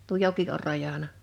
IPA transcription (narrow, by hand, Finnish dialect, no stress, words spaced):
tuo joki or rɑjɑnɑ